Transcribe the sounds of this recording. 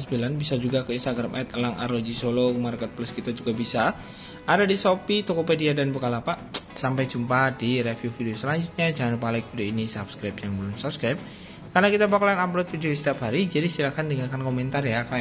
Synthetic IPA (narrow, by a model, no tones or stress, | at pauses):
səbilanbisad͡ʒuɡakəinst̪aɡɾamʔɛt̪əlaŋa̰rlod͡ʒisolok̚markɛt̪̚plʊskit̪ad͡ʒuɡabisa | ʔadadisopit̪okopediadanbəkalapasampajd͡ʒumpadiɾefjufideosəlaɲd͡ʒut̪̚ɲad͡ʒaŋanpalɪk̚fideoinisapskɾajp̚jaŋbəlʊmsap̚skɾajp̚ | karnakit̪abakalanaplot̪̚fideost̪iapɦaɾid͡ʒadisilakandəŋakankomɛnt̪arjak